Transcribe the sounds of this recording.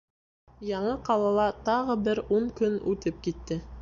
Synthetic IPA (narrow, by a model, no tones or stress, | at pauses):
jɑɴɤqɑlˠɑlˠɑt̪ɑʁɤbɘɾuɴkɵnʉt̪ɘp̚kit̪ːɘ